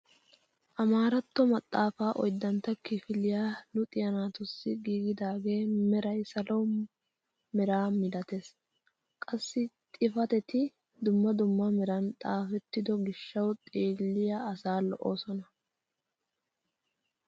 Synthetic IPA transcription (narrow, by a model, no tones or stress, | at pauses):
ʔɐmaːɾɐt̪ːɔmɐt̪ʼːaːfaːʔɔ̰jd̪ːɐnt̪ːɐkɪfɪlɪjaːlʊt̪ʼɪjɐnaːt̪ʊsːɪɡiːɡɪd̪aːɡe̞ːmɛɾɐjsɐlɔw | mɛɾaːmɪd̪ɐt̪es | kʼɐsːɪt̪ʼɪfɐt̪ɛt̪ɪ | d̪ʊmːɐd̪ʊmːɐmɛɾɐnt̪ʼaːfɛt̪ːɪd̪ɔɡɪʃːɐwt̪ʼeːlːɪjɐːsaːlɔ̰ʔo̰ːsɔnɐ